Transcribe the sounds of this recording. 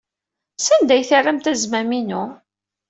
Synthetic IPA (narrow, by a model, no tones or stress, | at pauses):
sænd̪æjθərːəmt̪æzmæminu